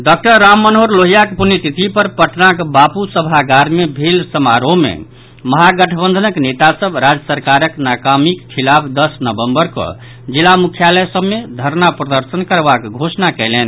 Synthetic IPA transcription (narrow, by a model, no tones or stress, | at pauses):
ɖak̚ʈəɾːamːənɦoɾloɦijakpunit̪it̪ipəɾpəʈʰnakbapusəbʱaɡaɾmebʱelsəmaɾomḛ | məɦaɡəʈʰəbə̃nd̪ʱənəknet̪asəbɾad͡ʒəsəɾkaɾəknakamikkʰːilabʰd̪əsnəbəmbəɾkɔ̰ | d͡ʒilamukʰjalɛsəbːed̪ʱəɾnapɾəd̪əɾsənkəɾbakɡʱosnakɛlɛn